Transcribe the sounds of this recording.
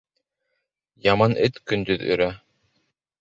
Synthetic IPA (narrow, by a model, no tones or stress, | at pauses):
jɑmɑnʔɘt̪kɵ̆nd̪ɵðɵ̰̆ɾæ